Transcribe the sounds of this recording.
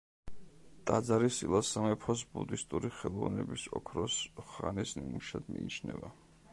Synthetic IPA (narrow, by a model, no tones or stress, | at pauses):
t̪ʼad̪zaɾisilˠasamɛpʰɔsbud̪ist̪ʼuɾiχɛlˠɔvnɛbisɔkʰɾɔsχanisnimuʃad̪̥miit͡ʃʰnɛva